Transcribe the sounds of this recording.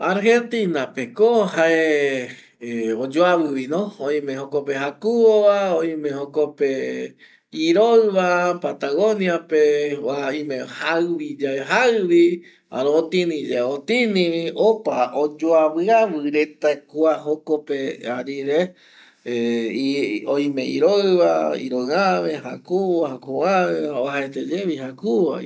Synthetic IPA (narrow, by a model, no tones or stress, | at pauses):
aɾhent̪inapekohae | od͡ʒoaβɨβinõoĩmẽɦokopeɦakuoβaoĩmẽhokope | iɾoɨβapat̪aɣoniapeaĩmẽhaɨβid͡ʒaeɦaɨβi | a̰ɾõot̪ĩnĩd͡ʒaot̪inĩβiopaod͡ʒoaβɨaβɨɾet̪akuaɦokopeaɾiɾe | oj̃mẽḭɾoβaḭɾõaβẽhakuhakuaaaɦaet̪ed͡ʒeβihakuβa̰